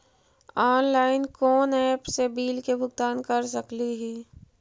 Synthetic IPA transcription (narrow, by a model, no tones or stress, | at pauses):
ɔːnlaːɪnkɔːnɛːpsebiːlkebʱʊɡ̚t̪aːnkɐɾs̬əkliɦiː